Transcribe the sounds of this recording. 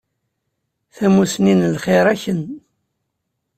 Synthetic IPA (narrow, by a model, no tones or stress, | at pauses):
θæmusninlχɪɾˤæçən